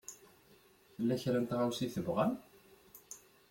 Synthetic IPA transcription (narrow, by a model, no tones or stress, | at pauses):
θəlːæçɾænt̪ʁawsiθəvʁæn